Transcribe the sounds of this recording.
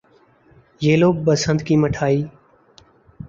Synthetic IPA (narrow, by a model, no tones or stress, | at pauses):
jeːloːɓəsənd̪kiːməʈʰaːiː